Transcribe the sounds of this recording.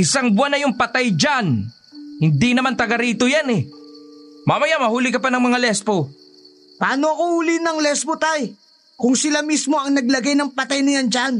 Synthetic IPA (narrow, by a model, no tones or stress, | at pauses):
ʔɪsaŋbʊanɐjʊŋpɐt̪ajd͡ʒan | hɪnd̪inɐmant̪ɐɡɐɾiːt̪ojanɛ | mamɐjamɐhuːlɪkɐpanɐŋmɐŋalɛspo | pɐaːno̞ɐkohulinɐŋlɛspot̪aj | kʊŋsɪlamismo̞ɐŋnɐɡlɐɡajnɐŋpɐt̪ajnɐjand͡ʒan